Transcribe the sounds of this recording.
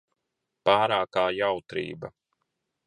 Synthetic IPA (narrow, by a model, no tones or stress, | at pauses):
paːɾaːkaːjawt̪ɾḭːba̰